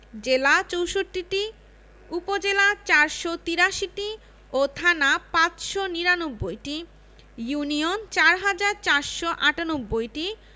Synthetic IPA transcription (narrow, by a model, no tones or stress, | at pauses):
d͡ʑelat͡ɕowʃoʈːiʈi | upod͡ʑelat͡ɕaɾʃot̪iɾaʃiʈi | ot̪ʰanapãt͡ɕʃoniɾanobːojʈi | juniont͡ɕaɾɦad͡ʑaɾt͡ɕaɾʃoʔaʈanobːojʈi